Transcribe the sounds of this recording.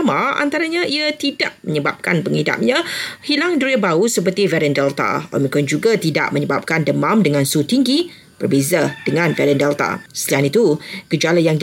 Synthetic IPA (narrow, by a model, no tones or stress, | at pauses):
maa̰nt̪aɾaɲãʔiat̪idaʔ̚məɲəbap̚ka̰npəŋida̰p̚ɲãhilaŋduɾiəbausəpərt̪ivɛɾɛndɛlt̪a̰ɔ̰mĩkɔnd͡ʒuɡat̪ida̰ʔməɲəbap̚kandəmamdəŋãnsut̪iŋɡi | b̥ərbezadəŋãnvɛɾɛndɛlt̪a̰səlianit̪ukəd͡ʒalajaŋ